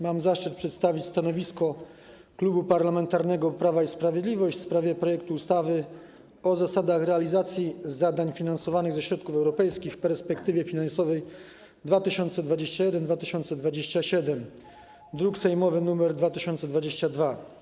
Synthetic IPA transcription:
mamzaʂt͡ʂɘt̪̚pʂɛt̪st̪avʲit͡ɕʲst̪anɔvʲiskɔ | klubupaɾlamɛnt̪aɾnɛɡɔpɾavaispɾavʲjed̪lʲivɔɕt͡ɕfspɾavʲjɛpɾɔjɛk̚t̪uːst̪avɘ | ɔzasad̪axɾɛalʲizat̪sʲjizad̪aɲfʲinansɔvanɘɣzɛɕɾɔt̪̚kufɛwɾɔpɛjskʲixfpɛɾspɛkt̪ɘvʲjɛfʲinansɔvɛj | d̪vat̪ɘɕɔnt̪sɛd̪vad͡ʑeɕt͡ɕajɛd̪ɛnd̪vat̪ɘɕɔnt̪sɛd̪vad͡ʑeɕt͡ɕaɕɛd̪ɛm | d̪ɾuksɛjmɔvɘnumɛɾd̪vat̪ɘɕɔnt̪sɛd̪vad͡ʑeɕt͡ɕad̪va

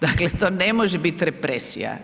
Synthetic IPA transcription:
d̪aklet̪oːnemoʒebit̪ɾepɾesḭja̰

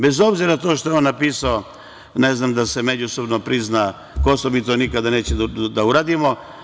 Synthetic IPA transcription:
bezobziɾat̪oʃt̪ojeonːapiːsao | neznamd̪asemed͡ʑusobnopɾizna | kosomit̪onikad̪aneːt͡ɕed̪auɾaːd̪imo

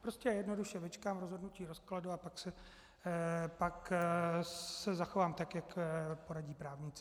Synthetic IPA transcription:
pɾo̞scɛjɛdno̞duʃɛvɪt͡ʃkaːmɾozɦo̞dnuciːɾo̞skladuapaksɛ | pak | sɛzaxo̞vaːmt̪akjakpo̞ɾaɟiːpɾaːvɲɪt͡sɪ

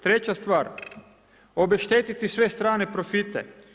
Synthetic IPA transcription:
t̪ɾet͡ɕast̪ʋaːɾ | obeʃt̪eːt̪it̪isʋest̪ɾaːnepɾofit̪ɛ̰

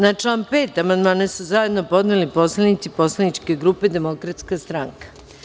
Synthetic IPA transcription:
nat͡ʂlˠaːnpeːt̪amand̪maːnesuzaje̞d̪no̞po̞d̪nelipo̞slˠanit̪sipo̞slˠanit͡ʃke̞ɡɾuːpe̞d̪e̞mo̞kɾat̪skast̪ɾaŋkḁ

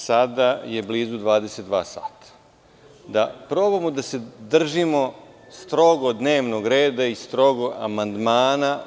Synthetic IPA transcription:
sad̪aje̞bliːzud̪ʋaːd̪eset̪̚d̪ʋaːsa̰ːt̪ḁ | d̪apɾoːbamod̪ase̞d̪r̩ʒimo̞ | st̪ɾo̞ɡod̪neːʋnoɡɾe̞ːd̪aist̪ɾo̞ɡoa̰mand̪maːna

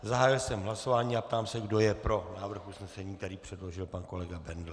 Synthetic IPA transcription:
zaɦaːjɪlsɛmɦlaso̞vaːɲiːap̚t̪aːmsɛɡdo̞jɛpɾo̞naːvr̩xʔusnɛsɛɲiːk̚t̪ɛɾiːpr̝̥ɛdlo̞ʒɪlpanko̞lɛɡabɛndl

